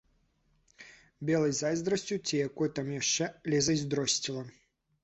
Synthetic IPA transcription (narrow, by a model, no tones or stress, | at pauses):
bʲɛlˠɐjzajzd̪ɾɐsʲt͡sʲut͡sʲijakɔjt̪amjaʂt͡ʂɛlʲɛzɐjzʲd̪ɾɔsʲt͡sʲilˠɐ